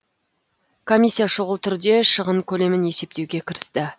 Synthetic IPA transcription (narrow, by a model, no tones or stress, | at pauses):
kʰo̞mʲijsʲːijaʃʊʁəlˠt̪ʰʏɾd̪e̞ʃəʁəɴkʲʰɵle̞mɪne̞se̞p̚t̪ewɡʲe̞kʲʰɪɾɪst̪ɪ